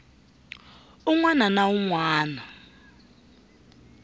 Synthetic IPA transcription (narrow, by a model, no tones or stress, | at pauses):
uŋwananauŋwaːna